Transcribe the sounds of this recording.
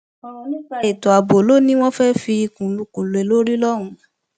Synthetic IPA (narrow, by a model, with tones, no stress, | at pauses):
ɔ˧ɾ̃ɔ̃˧nĩ˦k͡pa˧e˨to˨a˨bo˨lo˦nĩ˦w̃ɔ̃˦fɛ˦fi˧i˧kũ˨lu˧kũ˨lo˨ɛ˨lo˦ɾi˦lɔ˦ɾ̃ũ˨˧